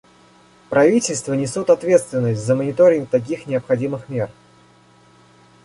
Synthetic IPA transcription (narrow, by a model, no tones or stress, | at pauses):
pɾʔɐvʲitʲɪlʲst̪vənʲɪsʲut̪ɐt̪vʲe̞t̪st̪vʲɪnːəsʲtʲzəmənʲɪt̪o̞ɾʲɪŋk̚t̪ɐk̬ʲixnʲɪəpxɐdʲimɨxmʲe̞r